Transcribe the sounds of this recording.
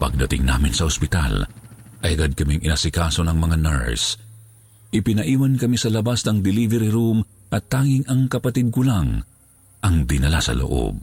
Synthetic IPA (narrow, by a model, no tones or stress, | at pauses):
pɐ̰ɡ̚d̪ɐt̪ɪ̰ŋna̰ːmɪnsɐɔspɪt̪a̰lʔɐjɐɡad̪̚kɐmiŋʔɪnasɪkaːso̞nɐŋmɐŋanɛ̰ɹs | ʔɪpɪnɐʔiːwɐnkɐmisɐlɐbasnɐŋd̪ɪlivɛɾiɾum | ʔɐt̪ːaːŋɪŋɐŋkɐpɐt̪id̪̚kʊlaŋ | ʔɐŋd̪ɪnɐla̰sɐ̰lo̰ʔo̰b̚